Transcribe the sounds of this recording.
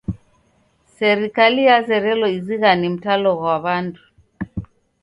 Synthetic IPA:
sɛɾikalijazɛɾɛlɔiziɣanim̩talɔɣwaβandu

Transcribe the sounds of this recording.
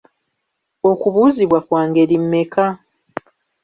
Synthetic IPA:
o̞kuβuːziβwakwaːŋɡe̞ɾimːe̞ka

